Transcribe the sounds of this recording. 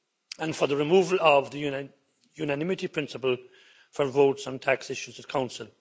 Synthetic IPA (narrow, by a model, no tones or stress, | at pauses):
ə̃nfə˞ðəɹɨmuːvəlʌvðə | junɨnɪ̃mɨtipʰɹ̥ɪ̃nsəpəlˠ | fə˞voʊtsə̃ntʰæksɪʃuzət̚kʰãʊ̃nsəlˠ